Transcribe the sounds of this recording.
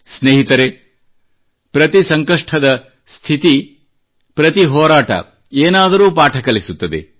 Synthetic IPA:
sneːɦit̪ɐɾe | pɾɐt̪isɐŋkɐʂʈʰɐd̪ɐ | st̪ʰit̪i | pɾɐt̪iɦɔːɾaːʈɐ̰ | eːnaːd̪ɐɾuːpaːʈʰɐkɐlisut̪ːɐd̪ḛ

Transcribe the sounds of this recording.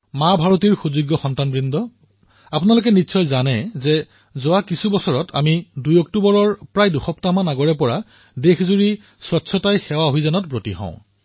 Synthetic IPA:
mabʱaɹotiɹxuzuɡjɔxɔntanbɹindɔ | apʊnalok̬ɛnisʰɔjzanɛzɛ | zowakisubɔsɔɹɔtʰa̰midujɔk̚tubɔɹɔɹpɹajduxɔptamanaɡɔɹɛpɔɹa | dexʰzuɹi | sɹɔtːsʰɔtajxɛwaɦojzanɔt̚bɹotiɦɔ̰̃ʊ̃

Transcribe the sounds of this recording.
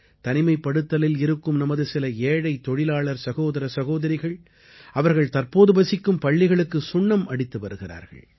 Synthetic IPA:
t̪ɐnɪmɐɪpːɐɽɯt̪ːɐlɪlɪɾɯkːɯmnɐmɐðɯsɪlɐeːɽɐɪt̪ːɔɽɪlaːɭɐɾsɐɣoːðɐɾɐsɐɣoːðɐɾɪɣɐɭ | ɐʋɐɾɣɐɭt̪ɐɾpoːðɯbɐsɪkːɯmpɐɭːɪɣɐɭɯkːɯsʊɳːɐmʔɐɽɪt̪ːɯʋɐɾɯɣɪra̰ːɾɣɐ̰ɭ

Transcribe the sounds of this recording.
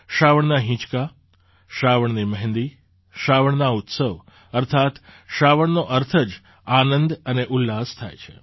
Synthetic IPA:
ʃaʋəɳnaɦĩt͡ʃka | ʃaʋəɳ̃niməɦnd̪i | ʃaʋəɳnaut̪səʋ | əɾt̪ʰat̪ʃaʋəɳnoʔəɾt̪ʰəd͡ʒ | anənd̪əneʔulːast̪ʰa̰jt͡ʃʰḛ

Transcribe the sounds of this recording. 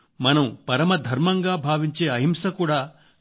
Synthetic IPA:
mɐnɐmpɐɾɐmɐd̪ʱɐɾmɐŋɡaːbʱaːʋiɲt͡ʃeːɐɦimsɐkuːɽaː

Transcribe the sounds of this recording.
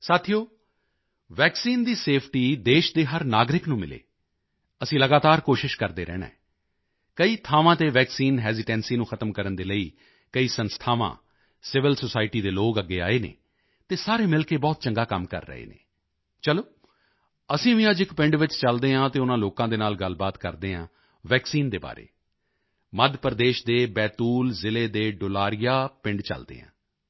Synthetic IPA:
saːt̪ʰijoː | ʋɛːksiːnd̪iːseːpʰʈiːd̪eːʃd̪eːɦəɾnaːɡɾɪknũːmɪ̰lḛː | əsĩːləɡaːt̪aːɾkoːʃɪʃkəɾd̪eːɾɛ̰ːnɛ̰̃ː | kəiːt̪ʰaːʋãːt̪eːʋɛːksiːnɦɛːzɪʈɛ̃ːnsiːnũːxʰət̪əmkəɾənd̪eːləḭː | kəiːsənst̪ʰaːʋã̰ː | sɪʋɪlsosaːɪʈiːd̪eːloːkəɡːḛːa̰ːeːnḛː | t̪eːsaːɾeːmɪlkeːbɔːt̪t͡ʃəŋɡaːkəmkə̰ɾːə̰ɦḛːnḛː | t͡ʃəloː | əsĩːʋɪ̃ad͡ʒɪkpɪ̃ɳɖʋɪt͡ʃt͡ʃəld̪eːɦãːt̪eːʊnãːloːkãːd̪eːnaːlɡəlbaːt̪kə̰ɾd̪eːɦã̰ː | ʋɛːksiːnd̪eːba̰ːɾḛː | məd̪pəɾd̪eːʃd̪eːbɛːt̪uːlzɪleːd̪eːɖʊlaːɾɪjaːpɪ̃ɳɖt͡ʃə̰ld̪ḛːɦã̰ː

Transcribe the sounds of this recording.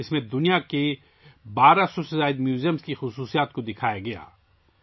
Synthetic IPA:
ɪsmẽd̪ʊnijake | baːɾasɔsɪzaːɪd̪mjuːzijəmskixʊsuːsijaːt̪kod̪ɪkʰaːjaɡɐja̰ː

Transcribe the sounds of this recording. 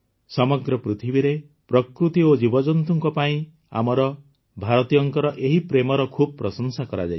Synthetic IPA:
sɔmɔɡɾɔpɾit̪ʰibiɾe | pɾɔkɾut̪iod͡ʒibɔd͡ʒɔnt̪uŋkɔpaĩ | a̰mɔɾɔ | bʱaɾɔt̪ijɔŋkɔɾɔʔeɦipɾemɔɾɔkʰub̚ɔpɾɔsɔŋsakɔɾa̰d͡ʒaj

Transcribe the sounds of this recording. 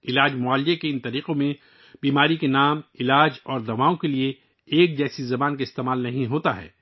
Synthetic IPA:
ɪlaːd͡ʒmʊaːljekeɪnt̪ɐɾiːqõmẽ | biːmaːɾikenaːmɪlaːd͡ʒɔːɾd̪ɐʋaːõkelie | eːk̚d͡ʒɛːsizɐbaːnkaɪst̪eːmaːlnɐɦĩɦoːt̪aɦɛ̰ː

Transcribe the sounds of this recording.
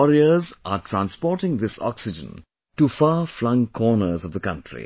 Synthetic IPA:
ɔɾiəzʔaʈʰɾæ̃nspɔːʈɪ̃ŋd̪ɪsɔ̰ksɪd͡ʒə̰̃n | ʈufaːflʌ̃ŋkʰɔːnəzʌvd̪ðəkʌ̃nʈʰɹḭ

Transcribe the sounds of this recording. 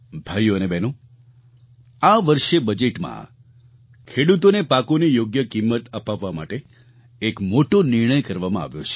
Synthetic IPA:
bʱajuənebɛno | aʋəɾʃebəd͡ʒeʈmã̰ | kʰeɽut̪onepakonijoɡjəkimːət̪əpaʋːama̰ʈe | ekmoʈoniɾɳ̃əjkəɾʋamãa̰ʋjo̰t͡ʃʰe̥

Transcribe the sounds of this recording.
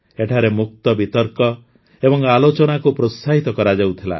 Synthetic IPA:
eʈʰaɾemuk̚t̪ɔbit̪ɔɾkɔ | ebɔŋalot͡ʃɔnakupɾot̪saɦit̪ɔkɔɾad͡ʒawt̪ʰila̰

